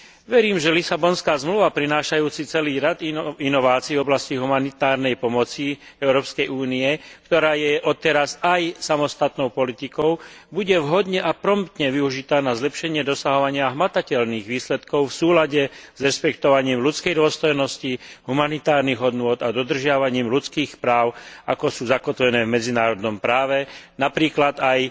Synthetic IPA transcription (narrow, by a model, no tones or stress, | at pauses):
ʋɛɾiːmʒɛlisabɔnskaːzmluʋapɾinaːʃajuːt͡sit͡sɛliːɾad̪inɔʋaːt͡siːvɔblasciɦumanit̪aːɾnɛjpɔmɔt͡siɛʊɾɔːpskɛjuːniɛkt̪ɔɾaːjɛʔɔt̪ɛɾasajsamɔst̪at̪nɔʊpɔlit̪ikɔʊbuɟɛʋɦɔd̪ɲɛʔapɾɔmpt̪ɲɛʋiuʒit̪aːnazlɛpʃɛɲɪɛd̪ɔsaɦɔʋaɲɪaɦmat̪acɛʎniːɣʋiːslɛt̪kɔʊfsuːlaɟɛz̥ɾɛʃpɛkt̪ɔʋaɲiːmlut͡skɛjd̪ʊɔst̪ɔjnɔsciɦumanit̪aːɾniɣɔd̪nʊɔd̪ad̪ɔd̪r̩ʒɪaʋaɲiːmlut͡skiːxpɾaːʊakɔsuːzakɔt̪ʋɛnɛːvmɛd͡zinaːɾɔd̪nɔmpɾaːʋɛnapɾiːklad̪aj